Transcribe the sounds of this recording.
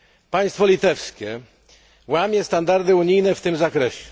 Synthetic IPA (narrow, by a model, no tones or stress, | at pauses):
paj̃st̪fɔlʲit̪ɛfskʲɛ | wamʲjɛst̪and̪aɾd̪ɘuɲijnɛft̪ɘmzakɾɛɕɛ